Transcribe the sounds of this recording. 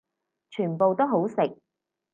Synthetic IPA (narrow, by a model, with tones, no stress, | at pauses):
t͡ʃʰyː˨˩npo˨wt̪o˥ɦo˨˥wsɪ˨k̚